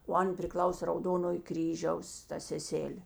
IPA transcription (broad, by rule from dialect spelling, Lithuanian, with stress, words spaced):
oː ˈɐn pʲrʲɪˈklˠɐʊsʲeː rɐʊˈdoːnoːj ˈkrʲiːʒʲɛʊs ˈtɐ sʲɛˈsʲæːlʲeː